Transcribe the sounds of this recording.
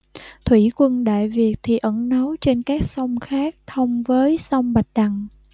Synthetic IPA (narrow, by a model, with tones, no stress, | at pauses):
t̪ʰwi˧˩kwə˧nɗa̰ː˧˨jvi˨˩ək̚t̪ʰi˨˩ʔə˧˩nnə˨˦wt͡ɕe˧nkaː˦˥k̚sə˧wŋ͡mxaː˦˥k̚t̪ʰə˧wŋ͡mvəː˨˦jsa˧wŋ͡mɓa˨˩t̚ɗa˨˩ŋ